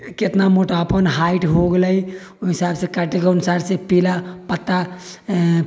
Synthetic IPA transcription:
ket̪namoʈapənɦaɪʈɦoɡləi | ɦɪsaːbsekaʈekaʊnsaɾsepilapət̪ːa

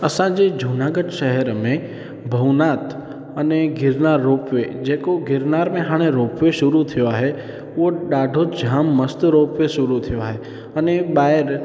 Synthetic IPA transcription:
ɐsãd͡ʑed͡ʒʱuːnaːɡəɖʃɐɦəɾmẽ | bʱɐʋnaːt̪ | ɐneɡʱɪɾnaːɾːoːpʋed͡ʑeːkoɡʱɪɾnaːɾmẽɦaːɽ̃eɾoːpʋeʃʊɾut̪ʰijoaːɦe | ʊɦoɗaːɖʱod͡ʒʱãːmːɐst̪ɾoːpʋeʃʊɾut̪ʰijoaːɦe | ɐneɓaːɪɾ

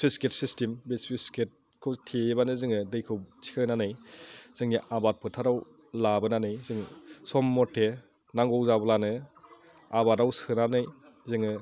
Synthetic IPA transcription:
sisket̚sistimbespisket̚ | kʰɯwtʰebanɯzɯŋɯdɯjkʰɯwt͡ʃʰi̥kʰɯnanɯjz̥ɯŋniʔabat̚pʰɯtʰaɾaw | labɯnanɯjzɯŋsɔmːɔtʰːe | naŋɡɔwzabɔlanɯ | abadawsʰɯnanɯj | zɯŋɯ

